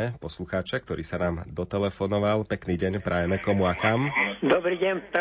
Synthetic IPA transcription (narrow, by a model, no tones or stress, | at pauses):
ɛpɔsluxaːt͡ʃɛk̚t̪ɔɾiːsanaːmd̪ɔt̪ɛlɛfɔnɔʋalpɛkniːɟɛɲpɾʔajɛmɛkɔmuakamd̪ɔbɾiɟɛnp̪